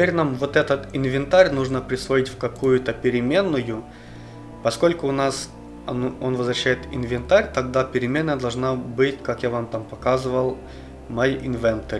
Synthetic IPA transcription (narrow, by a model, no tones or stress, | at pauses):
vʲeɾʲnamvot̪ɛt̪ət̪ɪnvʲɪnt̪aɾʲnuʐnəpɾʲɪsvoitʲfʲkɐkujʊt̪əpʲɪɾʲɪmʲe̞nːʊjʊ | pɐsko̞lʲkʊːnas | ɐnonvəzvɾɐɕːæjɪt̪ɪnvʲɪnt̪aɾʲt̪ɐɡd̪apʲɪɾʲɪmʲe̞nːəjəd̪ɐlˠʐnabɨtʲkakjavamt̪ampɐkazɨvəlˠ | mɐjʔɪnvʲɛnt̪ərʲ